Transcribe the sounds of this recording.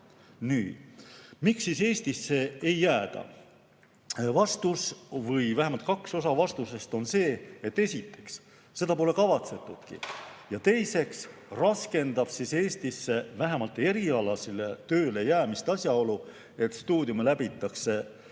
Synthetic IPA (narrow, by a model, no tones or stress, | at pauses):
nyːd̪̥miksːise̞ːst̪isːe̞ejːæːd̪̥ɑ̰ | vɑst̪usvɤjvæɦemɑlt̪̚kɑkso̞sɑvɑst̪use̞st̪o̞nse̞ːet̪ːe̞sʲit̪ːˑe̞ksː | e̞d̪ɑpo̞le̞kɑvɑt̪se̞t̪ːˑud̪̥kḭjɑt̪e̞jse̞ksrɑske̞nd̪̥ɑb̥sise̞ːsʲt̪isːe̞væɦe̞mɑlt̪ːe̞ɾiɑlɑsilet̪ø̞ːle̞jæːmist̪ɑsʲjɑo̞lu | e̞t̪ːst̪uːd̪̥ʲjumelæbit̪ːˑɑkse̞